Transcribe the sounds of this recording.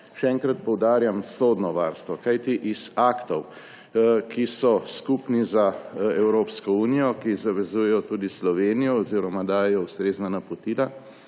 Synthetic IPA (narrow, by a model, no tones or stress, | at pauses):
ʃɛɛŋkɾat̪pɔwd̪aːɾjamsod̪nɔʋaːɾst̪ʋɔkajt̪iʔizaːkt̪ɔw | kisɔskupnizaɛwɾoːpskɔuːnijɔkizaʋɛzujɛjɔt̪uːd̪islɔʋeːnijɔːziɾɔmad̪aːjɛjɔust̪ɾeːznanapɔt̪iːla